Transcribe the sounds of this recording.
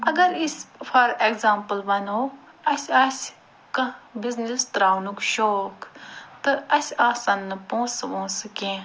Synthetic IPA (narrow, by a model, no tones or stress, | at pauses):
ɐɡɐɾispʰɐɾekzaːmpəlbɐnoː | ɐsʲɐːs | kɐbiznisʈɾaːnukʃoːkt̪ɨɐsʲaːsɐnːɨpõːsʋõːsɨkẽː